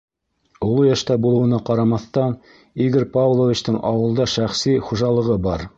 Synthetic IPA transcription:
ulˠujæʃt̪æbulˠɤ̆wɤ̆nɑqɑɾɑmɑθt̪ɑn | iɡɘɾpavlˠovʲit͡ɕt̪ɤɴʔɑwɤ̆lˠd̪ɑʃæχsiχuʒɑlˠɤ̆ʁɤbɑɾ

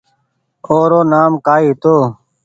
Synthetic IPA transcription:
oːɾoːnaːmkaːiːɦt̪oː

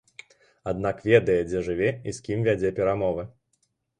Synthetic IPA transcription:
ad̪nakvʲɛd̪ɐjɛd͡zʲɛʐɨvʲɛiskʲimvʲad͡zʲɛpʲɛɾamɔvɨ

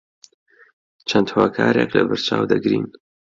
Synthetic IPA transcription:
t͡ʃʰɐnd̪hoːkʰaːɾeklɐbɨɾt͡ʃaːwd̪ɐɡɾiːn

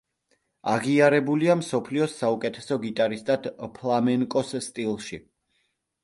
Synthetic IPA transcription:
a̰ʁiaɾɛbuliamsɔpʰliɔsaukʼɛt̪ʰɛsɔɡit̪ʼaɾist̪ʼad̪pʰlˠamɛŋkʼɔsst̪ʼilˠʃi

